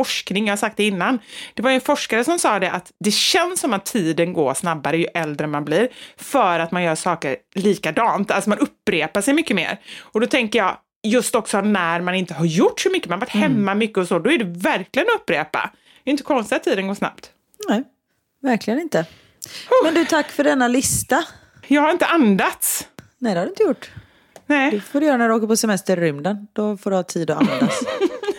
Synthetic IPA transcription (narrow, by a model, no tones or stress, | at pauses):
fɔʂknɪŋjaːhasak̚t̪ɛɪnːand̪̥ɛvajʏɛnfɔʂkaɾəsɔmsɑːd̪ɛʔat̪d̪ɛɕɛnsːɔmat̪ʰːiːd̪ənɡo̰ːɾʂnabːaɾəjɵʔɛld̪ɾəmanbliːɾfœːɾat̪manjœːʂɑːkəɾliːkad̪ɑːnt̪alsɔmanɵpːɾeːpaʂɛjmʏkːəmḛːɾɔd̪ɔt̪ʰɛŋkəɾjɑː | jɵst̪ɔksɔnæɾmanɪnt̪əɦaɾjʊʈːsɔmʏkːəmanvaʈːhɛmːamʏkːəɔsoːd̪ɔæɖɛvæɾklɪɡənɔɵpːɾeːpa̰ | d̪ɛɾɪɪnt̪əkʰɔnst̪ɪat̪ʰːiːd̪ənɡoːsna̰pt̪ | nɛ | væɾklɪɡənɪnt̪ə | mɛnd̪ʉt̪ʰakːfœɖɛnːalɪst̪a | jɑːɡhaɾɪnt̪əʔand̪at̪snɛd̪ɛhaɾɖɵɪnt̪əjʊʈː | nɛɛfoːɖɵjœːɾanæɖʉoːkəɾpɔsɛmɛst̪əɾːʏmd̪ənd̪̥ɔfoːɖɵhɑːt̪ʰiːd̪ɔand̪a